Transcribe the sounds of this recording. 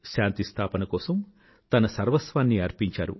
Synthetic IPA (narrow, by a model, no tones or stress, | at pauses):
ʃaːnt̪ist̪ʰaːpɐnɐkɔːsɐm | t̪ɐnɐsɐɾʋɐsʋaːnːiɐɾpiɲt͡ʃaːɾṵ